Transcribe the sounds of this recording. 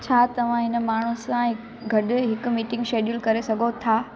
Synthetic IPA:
t͡ɕʰaːt̪ɐʋ̤ãɦɪnə̆maːɳ̤usãɪk | ɡʱɐɗɦɪkʊ̆miːʈɪ̃ŋɡʃeːɗjʊlkɐɾesɐɡʱot̪ʰaː

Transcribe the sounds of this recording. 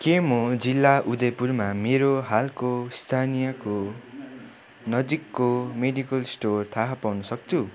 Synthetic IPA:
kemod͡zilːaʔud̪ejpurmameɾoɦalkost̪ʰanijʌko | nʌd͡zikːomeɖikʌlsʈort̪ʰaɦapawnʌsʌk̚t͡sʰu

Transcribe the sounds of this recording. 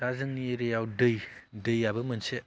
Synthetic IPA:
ɾazɯŋnieɾejawdɯjdɯjabɐmɐnse

